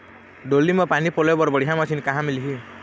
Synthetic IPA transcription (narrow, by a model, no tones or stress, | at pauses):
ɖolimɔpanipolebɔɾbɔɽiɦamɔt͡ʃʰinkaɦãmiliɦi